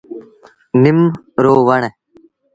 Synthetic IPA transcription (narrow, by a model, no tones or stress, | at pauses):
nim | ɾoːʋɐɳ̃e